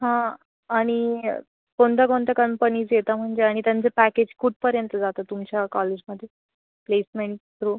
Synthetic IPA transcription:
ɦã | aɽ̃i | pond̪aɡont̪akəmpəniːd͡zjet̪am̤əɳd͡zeaɽ̃it̪jãnt͡sepæked͡ʑkuʈ̚pəɾjənt̪əd͡zat̪at̪umt͡ɕjakɔled͡ʑməd̪ʱːje | plesmeɳʈ̚t̪ɾu

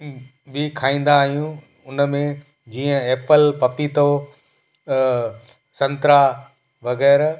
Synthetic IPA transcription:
bikʰaːĩːn̆d̪aːɦijũ | ʊnmẽ | d͡ʑiːə̃eːpəlpɐpit̪o | sɐ̃nt̪ɾa | ʋɐɣɛːɾ

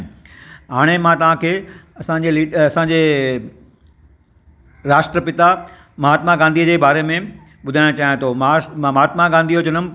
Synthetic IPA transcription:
ɦaːɽ̃emãt̪ɐʋ̤ãkʰeːɐsãɲd͡ʑeliːɐsãːɲd͡ʑeː | ɾaːsʈɾəpɪt̪a | mɐɦaːt̪maɡãːnd̪iəd͡ʑeːbaːɾemẽ | ɓʊd̪ʱaːɪɽ̃õt͡ɕaːɦij̃t̪ʰomɐɦaːt̪maɡãːnd̪ʱiɦot͡ɕɐnəm

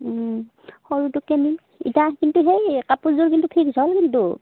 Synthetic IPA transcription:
xɔɹutukeni | ḭtaɦkintuɦejkapuzuɹkintupʰikzʱɔlkintu

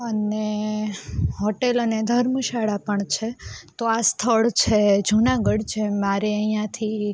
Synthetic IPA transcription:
əne | ɦoʈeləned̪ʱəɾməʃaɭapəɳt͡ʃʰet̪oast̪ʰəɭt͡ʃʰed͡ʒʱunaɡəɽt͡ʃʰemaɾeəijãt̪ʰi

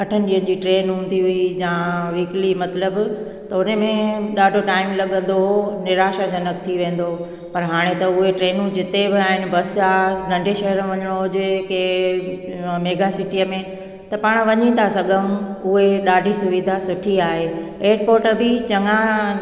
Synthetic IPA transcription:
kʰɐʈʰənɪ̆ɗiːənɪ̆d͡ʑiːʈɾeːnɦũːn̆d̪iɦʊijãːʋiːklimɐt̪ləb | t̪ɐʊnemẽɗaːɖʱoʈaːɪmlɐɠə̃nd̪oɦonɪɾaːʃad͡ʑɐnəkt̪ʰiʋẽːn̆d̪o | pɐɾɦaːɽ̃et̪ɐʊɦeʈɾeːnũd͡ʑɪt̪ebɪaːɦɪnɪ̆bɐsaːnɐ̃ɳɖʱeʃɐɦəɾ̃ʋɐɲəɽ̃oɦʊd͡ʑɪke | meːɡasɪʈijəmẽ | t̪ɐpaːɽ̃ʋɐɲit̪ʰasɐɠəmʊɦeɗaːɖʱisʊʋid̪ʱasʊʈʰiaːɦeeːɾpoːɾʈəbit͡ɕɐŋa

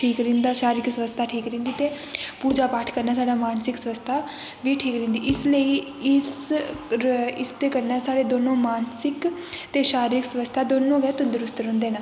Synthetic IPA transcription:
ʈʰiːkɾĩːnd̪aːʃaːɾɪksəʋəst̪ʰaːʈʰiːkɾĩnd̪iːt̪eː | puːd͡ʒaːpaːʈʰkəɾnaːsaːɖaːmaːnsɪksəʋəst̪ʰaː | ʋiːʈʰiːkɾẽːnd̪iːɪsləiː | ɪs | ɪst̪eːkəɾnaːsaːɽeːd̪oːnõːmaːnsɪkt̪eːʃaːɾiːɾɪksʋəst̪ʰaːd̪oːnõːɡɛːt̪ʊd̪ʊɾʊst̪ɾɦʊ̃nd̪eːnaː

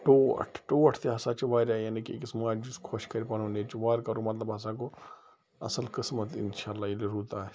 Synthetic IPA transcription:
ʈoɐ̰ʈʰʈoːɐʈʰt̪eɦɐsat͡ʃɐʋaːɾaːjanikikɪsmaːd͡ʒuskʰoʃkɐɾipɐnoneːt͡ʃuʋaːɾkɐɾõmɐt̪ləbɦɐs̬ãko | ɐ̰səlkɪsmət̪ɪ̰nʃaːlːaːɪliɾuːt̪aː

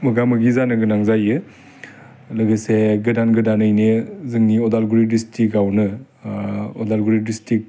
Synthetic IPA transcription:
mɐɡamɯɡizanɯɡɯnaŋzajɯ | lɯɡɯseɡɯdanɡɯdanɯjnezɯŋniɔdalɡuɾidistʰikawnɯ | ɔdalɡuɾidistik̚

